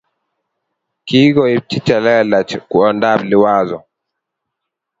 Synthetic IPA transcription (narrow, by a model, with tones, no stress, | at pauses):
ki˦ɡɔi˨b̚ti˦t͡ʃa˨lɛ˦la˨t͡ʃku˨ɔnda˦˨bli˨waːzɔ˨